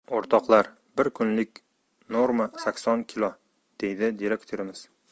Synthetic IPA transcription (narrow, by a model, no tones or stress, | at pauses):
oɾt̪ʰɒqlˠaɾ | bɪɾkʰʊnlɪkʲ | noɾmasakʲsɒnkʲʰɪlˠɒ | d̪̥e̞jd̪ɪd̪iɾekʲt̪ʰoɾɪmɪz̥